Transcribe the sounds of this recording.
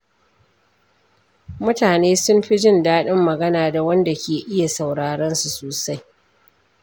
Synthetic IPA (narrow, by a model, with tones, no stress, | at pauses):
mʊ˦taː˨neː˦sʊ˦mɸi˦d͡ʒɪ˦ndaː˦ɗɪ˦mːɐ˨ɡɐ˦naː˨da˨wɐ˦nda˨kʲeː˨ʔɪ˦ja˨sa˨wɽaː˨ɽɐ˦nsu˨soː˨sa˦j